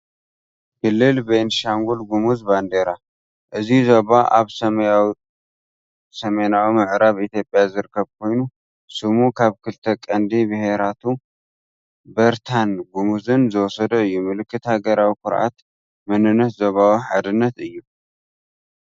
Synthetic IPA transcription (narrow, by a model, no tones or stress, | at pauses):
bɨlːɨlbenʃaŋɡulɡumuzband̪eɾa | ʔɨzizoβaʔa̰βsɐ | sɐmenawimɨʕɾaβit̪ʰjo̞pʼːjazɨɾɨkʰːɐβkʰo̞jnu | sɨmukʰaβkʰɨlt̪ʰɐkʼɐnd̪ibɨhe̞ɾat̪ʰu | bɐɾt̪ʰanɡumuzɨnzɨwɔsɐd̪ɐɨjːumɨlɨkːɨt̪haɡɐɾawikʰʊɾʔa̰t̪ | mɨnɨnːɐt̪zoβawiħad̪ɨnːɐt̪ɨjːu